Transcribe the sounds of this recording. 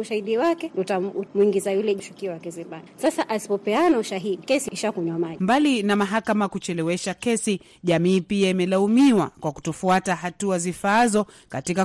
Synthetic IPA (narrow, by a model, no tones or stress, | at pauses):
uʃahiɗiwakɛutamuiŋɡizajulɛiʃukiwakɛzimbanisasaʔasi̥pɔpɛanauʃaɦiɗikɛsiiʃakuɲwamambalinamaɦakamakut͡ʃɛlɛwɛʃakɛsi | ʄamiːpiaimɛlaumiwakwaku̥tɔfuataɦatuazifaːzɔ | katika